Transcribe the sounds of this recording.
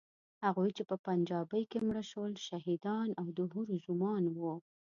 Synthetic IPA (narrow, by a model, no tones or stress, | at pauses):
haɣujt͡ʃepəpand͡ʒɑbəjkemɽəʃəlʃaɦid̪ɑnawd̪əɦuɾzʊmɑnwu